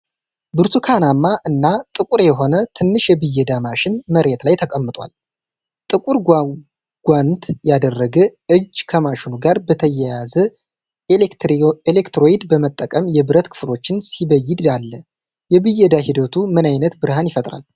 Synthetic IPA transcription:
bɨɾt̪ʰukʰanamːaʔɨnːat̪ʼɨkʼuɾjɛɦo̞nət̪ʰɨnːɨʃjɛbɨjːɛd̪amaʃɪnməɾet̪lajt̪ʰəkʼəmːɨt̪ʼwa̰l | t̪ʼɨkʼuɾ | ɡ̥ʷant̪jad̪ərːəɡəɨd͡ʒːkʰəmaʃɪnuɡaɾbət̪ʰəjɛjazə | elekt̪ɾo̞jid̪bəmət̪ʼːəkʼəmjɛbɨɾət̪kʰɨ̥fɨlo̞t͡ʃːɪnsiβəjːɪd̪jalːə | jɛβɨjɛd̪aɦid̪ət̪ʰumɨnajnət̪bɨɾhanjɪfət̪ʼɾa̰l

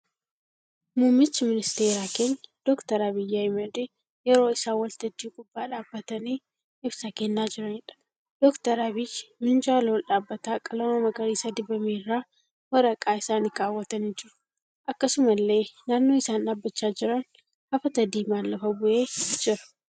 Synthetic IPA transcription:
muːmːɪt͡ʃːɪmɪnɪst̪eːɾaːke̞ːɲːɐd̪̥ɔkt̪ɐɾabɪjːaɪmɐd̪e | jɛɾo̞ːɪsaːwɐlt̪ɐd̪ːiːkʼʊbːaːᶑaːbːɐt̪ɐniː | ɪbsɐkenːaːd͡ʒɪɾɐnɪᶑɐ̥ | d̪̥ɔkt̪ɐɾabɪjmɪnd͡ʒaːloːlᶑaːbːɐt̪aːkʼɐlɐmɐmɐɡɐɾiːsɐd̪ɪbɐmeːrːaː | wɐɾɐkʼaːɪsaːnɪɡʼaːwːɐt̪ɐnɪnd͡ʒɪɾʊ̥ | ʔɐkːɐsʊmɐlːe̞ːnaːnːo̞ːɪsaːnaːbːɐt͡ʃːaːd͡ʒɪɾɐn | hɐfɐt̪ɐd̪iːmaːlːɐfɐbʊʔe̞ːd͡ʒɪɾɐ̥

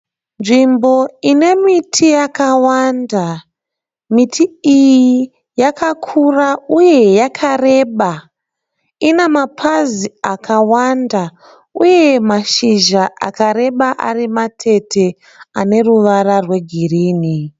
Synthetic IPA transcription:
nʐimbo̞ine̞mitʰijakawanda | mitʰiiji | jakʰakʰurauje̞jakʰare̞ɓa | inemapʰaziakʰawanda | uje̞maʃiʒaʔa̰kaɾe̞ɓaʔa̰rimatʰe̞tʰe̞ | ane̞ruʋaɾarwe̞ɡʱiriːni

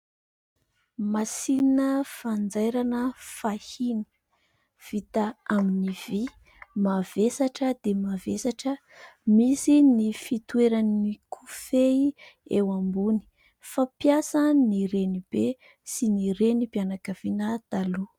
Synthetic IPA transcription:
masiinəfand͡zajɾanəfahini̥ | v̥it̪aaminivi | mavesaʈ͡ʂəd̪emavesaʈ͡ʂə | misinifit̪weɾanikʰufeiewambuni̥ | fapjasəniɾenib̥e | siniɾenipianakəv̥inət̪alu

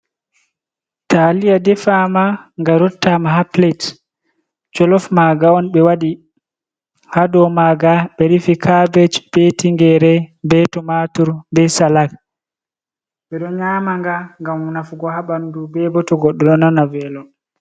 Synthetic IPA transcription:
talijadɛfamaŋɡaɾɔtːamaɦaplet | d͡ʒɔlɔfmaɡaɔnɓɛwaɗi | hadɔmaɡaɓɛɾifikʰabɛt͡ʃb̥ɛtiŋɡɛɾɛbɛtɔmatuɾbɛsalaɡ̚ | ɓɛɗɔɲaːmaŋɡaŋɡamnafuɡɔhaɓandubɛbɔtɔɡɔɗːɔɗɔnanavɛlɔ

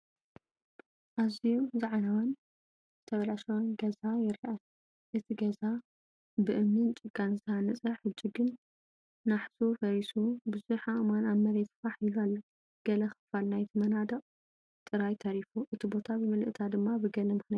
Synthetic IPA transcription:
ʔazijuzaʕnawɐn | zɨt̪ʰɐβɐlaʃɛwonɡɐzajɪɾiʔal | ʔɨt̪ʰiɡɐza | bɨʔɨmnɨnt͡ʃʼɨɡʼanzhanɐt͡sʼɐħɨd͡ʒiɡɨnː | aħsufɐɾisubɨzuħaʔɨmanamɐɾet̪faħilalːɐ | ɡ̥ɐlɐxɨ̥falnajt̪ʰimɐnad̪ɐqʼ | t̪ʼɨɾajt̪ʰɐɾifuʔɨt̪ʰibo̞t̪ʰabɨmɨlɨʔɨt̪ʰad̪ɨmːabɨɡɐlɐmɨxnia

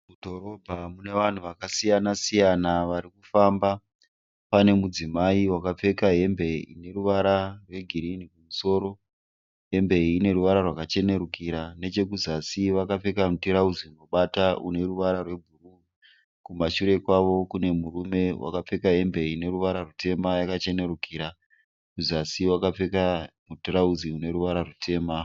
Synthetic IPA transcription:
mudʱo̞ɾo̞bʱamune̞ʋan̤uʋakasijanasijanaʋaɾikufamba | pane̞mud͡zimaiwakap͡fe̞kaɦe̞mbe̞ḭne̞ruʋaɾarwe̞ɡʱiɾinikumuso̞ːɾo̞ | ɦe̞mbe̞iːne̞ruʋaɾarwakat͡ʃe̞ne̞ɾukiɾane̞t͡ʃe̞kuzasiʋakap͡fe̞kamutiɾaud͡ziunoɓataune̞ruʋaɾarwe̞bʱuru | kumaʃuɾe̞kwaʋo̞kune̞murume̞wʔa̰kap͡fe̞kaɦe̞mbe̞ine̞ɾuʋaɾarute̞majakat͡ʃe̞neɾukiːɾa | kuzasiwakap͡fe̞kamutiɾaud͡ziune̞ɾuʋaɾarutʰe̞ːma

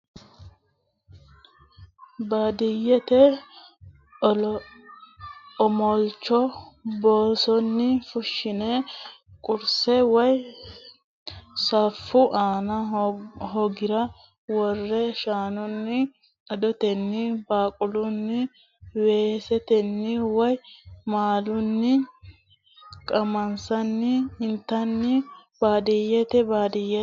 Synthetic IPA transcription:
baːd̪ɪjːɛt̪ɛ | ɔmɔlt͡ʃːɔboːsɔnːɪfʊʃːɪnɛkʼʊɾsɛwɐj | sɐfːʊʔaːnɐɦɔɡɪɾɐ | wɔrːɛʃaːnʊnːɪ | ɐd̪ɔt̪ɛnːɪbaːkʼʊlʊnːɪ | weːsɛt̪ɛnːɪwɔjmaːlʊnːɪ | kʼɐmɐnsɐnːɪɪnt̪ːɐnːɪbaːd̪ɪjɛt̪ɛbaːd̪ɪjːɛ

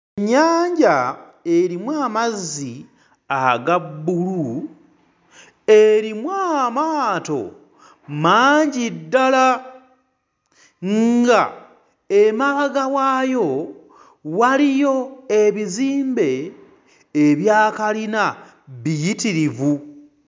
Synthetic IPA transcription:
eɲːaːɲɟa | eɾimwaːmazːi | aɡabːulu | e̞ɾimwaːmaːto̞̰ | maːɲɟidːala | ŋɡa | emaβaɡawaːjo̞ | walijo̞e̞βiziːmbe̞ː | βjaːkalina | βijitiɾivu

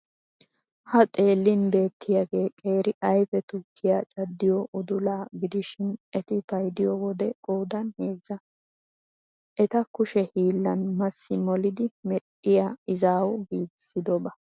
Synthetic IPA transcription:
hɐt̪ʼe̞ːlːɪnbe̞ːt̪ʰːɪjaɡe̞ːkʼe̞ːɾɪʔɐjfɛt̪ʊkʰːɪjat͡ʃʼɐd̪ːɪjɔʔʊd̪ʊlaːɡɪd̪ɪʃɪnɛt̪ɪfɐjd̪ɪjɔwɔd̪ɛkʼoːd̪ɐnhe̞ːzːɐ | ʔɛt̪ɐkʊʃɛhiːlːɐnmɐsːɪmɔlɪd̪ɪmɛɗɪjaɪzaːwɡiːɡɪsɪd̪ɔbɐ

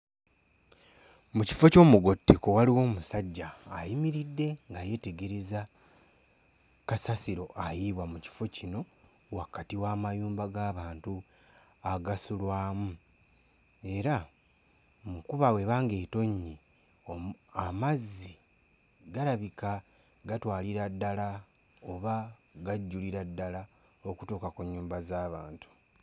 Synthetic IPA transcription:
muci̥fo̞co̞ːmuɡo̞tːeko̞waliwo̞ːmusaɟːaːjimiɾidːe̞ŋɡaje̞ːte̞ɡe̞ɾe̞za | kasasiɾo̞ʔajiβwamuci̥fo̞cino̞ | wakatiwaːmajuːmbaɡaːβaːntu | aɡasulwaːmu | e̞ɾa | mukuβawe̞βaːŋɡe̞ːto̞ɲːi | amazːi | ɡaɾaβika | ɡatwaːliɾadːala | oβaɡaɟːuliɾadːala | o̞ku̥toːkakuɲːuːmbazaːβaːntu̥

